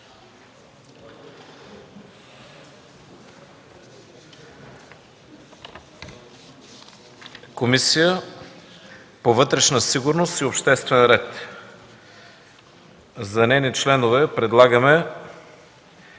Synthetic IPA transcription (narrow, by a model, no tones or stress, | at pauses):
komisijə | povɤt̪ɾɛʃnəsiɡʊɾnost̪iopʃt̪ɛst̪vɛnɾɛt̪ | zɐnɛnit͡ʃlɛnovɛpɾɛd̪lˠaɡəmɛ